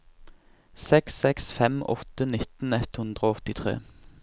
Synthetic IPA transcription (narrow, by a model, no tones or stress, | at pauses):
sɛksɛksfɛmɔ̰t̪ənɪt̪n̩ɛt̪hʉnd̪ʁəɔt̪ɪt̪ʰʁḛː